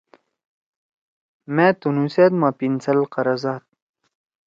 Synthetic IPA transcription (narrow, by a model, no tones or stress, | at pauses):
meːt̪unuseːt̪mãpint͡sɐlqɐɾazaːt̪̚